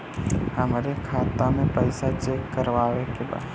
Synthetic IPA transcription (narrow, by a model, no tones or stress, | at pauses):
hɐmɾekʰaːt̪amẽpɐɪsat͡ʃeːkːəɾʋaːʋekeba̰ː